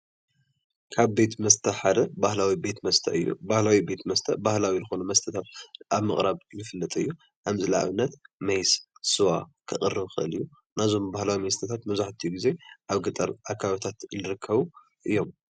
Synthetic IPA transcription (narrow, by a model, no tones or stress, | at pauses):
kʰaβbe̞t̪mɐst̪ʰɐħad̪ɐbahlawibe̞t̪mɐst̪ʰɐ̰ɨjːṵbahlawibe̞t̪mɐst̪ʰɐbahlawizɨxonumɐst̪ʰɐt̪ʰat̪̚ʔaβmɐχʼɾaβnɨfɨlːɨt̪ʼɨjːu | ʔamɨzɨlaa̰βɨnːɐt̪mɐjssɨwa̰kʰɨχʼɨrːɨβxɨʔɨ̰lɨjːu | nazo̞mbahlawimɐst̪ʰɐt̪ʰat̪mɐβzaħt̪ʰijuɡize̞ʔaβɡɨt̪ʼɐ̰ɾʔakʰːaβt̪ʰat̪ɨnɨɾɨkʰːɐβu | ʔɨjːo̞m